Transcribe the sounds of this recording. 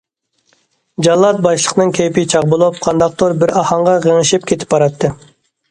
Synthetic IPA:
d͡ʒɑlˠːɑt̪̚bɑʃlˠəqənɨŋkʲʰejpɪt͡ʃʰɑʁbolˠup̚qʰɑnd̪ɑq̚t̪ʰoɾbɪɾɑhɑɴʁɑʁəŋɨʃɪp̚kʲʰet̪ʰɪ̥pbɑɾɑt̪ʰːɨ

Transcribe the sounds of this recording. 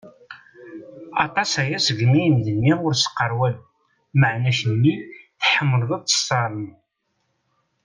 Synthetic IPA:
ɑ̰t̪ˤɑsæjæsəɡnijənd̪ənːiʊɾsə̥qːəɾˤwæn | məʕnæçənːiθħəmːəlðˤəðˤt͡sːə̥sˤːɑɾˤən

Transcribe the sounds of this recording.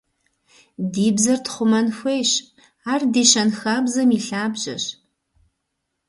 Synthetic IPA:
diːbzɐrtʰχʷʊmɐnxʷejɕ | aːrdiːɕɐnxabzɐmiːɬaːbʑɐ̰ɕ

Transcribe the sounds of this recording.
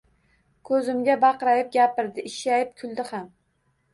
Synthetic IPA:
kʰɵzɪmɡʲabɑqɾajɪp̚ɡʲapɪɾd̪ɪɪʃajɪp̚kʲʰʊlˠd̪ɪham

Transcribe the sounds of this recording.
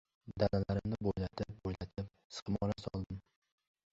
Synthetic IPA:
d̪alalaɾɪmnɪbojlat̪ʰɪp̚bojlat̪ʰɪp̚ | sɨ̥χmɒɾasɒ̰lˠd̪ɪm

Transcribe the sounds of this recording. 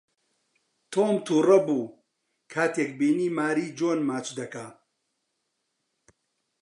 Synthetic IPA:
t̪ʰoːmt̪ʰuːrɐbuː | kʰaːt̪eːkbiːniːmaːɾiːd͡ʒoːnmaːt͡ʃd̪ɐkaː

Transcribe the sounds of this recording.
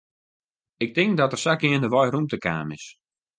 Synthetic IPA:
ɪk̚tɪŋk̚dɔtərsakɪəndəʋɔjrumtəka̰ːmɪs

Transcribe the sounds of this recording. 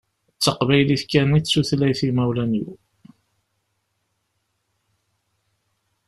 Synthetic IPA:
t͡sːəqvæjliθkːænit͡sːuθlæjθimæwlænjṵ

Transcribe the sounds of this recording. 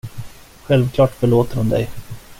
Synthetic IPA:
ɧɛlvkʰlɑːʈfœɭoːt̪əɾhʊnd̪ɛ̰j

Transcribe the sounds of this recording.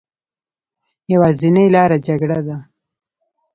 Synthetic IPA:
jawazɪnajlɑɾad͡ʒaɡɽad̪a

